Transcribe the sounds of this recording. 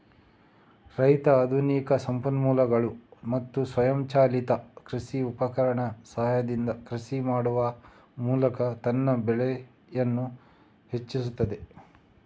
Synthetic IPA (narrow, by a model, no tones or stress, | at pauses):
ɾɐjt̪ɐːd̪ʱunikɐsɐmpɐnmuːlɐɡɐɭumɐt̪ːusʋɐjɐmt͡ʃaːlit̪ɐkɾisiupɐkɐɾɐɳɐsɐɦjɐd̪ind̪ɐkɾisimaːɽuʋɐ | muːlɐkɐt̪ɐnːɐbeɭe | jɐnːu | het͡ʃːisut̪ːɐd̪e